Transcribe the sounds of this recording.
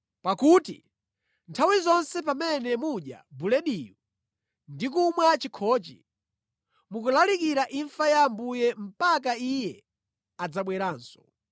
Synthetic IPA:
pakutḭ | ntʰawizɔnsɛpamɛnɛmuɗja̰bulɛɗiju | ndik̬umwɛt͡ʃikʰɔːt͡ʃḭ | muk̬ulalikiɾaʔiɱfajambujɛm̩pak̬aijɛ | ad͡zaɓwɛɾaːnsɔ̥

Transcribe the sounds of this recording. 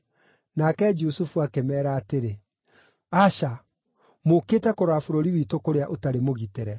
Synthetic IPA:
nakɛd͡ʒusufuakemɛːɾaːteɾe | aʃa | mokeːtɛkoɾafoɾoɾiwiːtokoɾeaʔotaɾemoɣiteɾɛ

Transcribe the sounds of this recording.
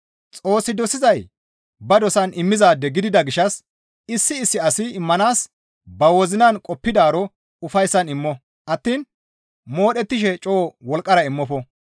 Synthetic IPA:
t͡sʼo̞ːsːɪd̪ɔsɪzɐj | bɐd̪ɔsɐnɪmːɪzaːd̪ːɛɡɪd̪ɪd̪ɐɡɪʃːɐs | ɪsːɪːsːɪɐsɪːmːɐnaːs | bɐwɔzɪnɐnkʼɔpːɪd̪aːɾɔ | ʊfɐjsːɐnɪmːɔ | ʔɐt̪ːiːn | moːɗɛt̪ːɪʃ̬ɛt͡ʃʼo̞ːwɔlkʼːɐɾɐɪmːɔfɔ

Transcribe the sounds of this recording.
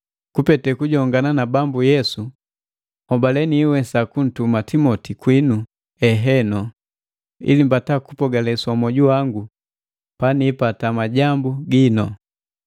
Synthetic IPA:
kupɛtɛkuɟɔŋɡananabambujɛsu | hɔmbalɛniwɛsakun̩tumatimɔtikwinu | ɛɦɛnɔ | ḭlimbataku̥pɔɡalɛsamɔɟuwaŋɡu | paniːpatamaɟambuɡinɔ

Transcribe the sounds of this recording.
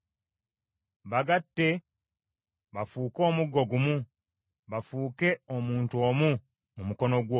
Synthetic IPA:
βaɡatːe̞ | βafuːko̞ːmuɡːo̞ɡumu | βafuːke̞omuːntuo̞ːmu | mumuko̞no̞ɡwo

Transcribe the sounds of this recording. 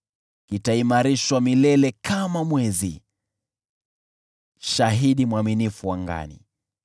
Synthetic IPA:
kitaimaɾiʃwamilɛlɛkʰamamwɛzi | ʃaɦiɗimwaminifuwaŋɡa̰nḭ

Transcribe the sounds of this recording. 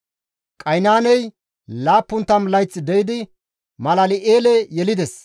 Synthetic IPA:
kʼɐjnaːnɛj | laːpːʊnt̪ːɐmlɐjt͡sːɪd̪ɛjɪd̪ɪ | mɐlɐlɪʔeːlɛjɛlɪd̪ɛs

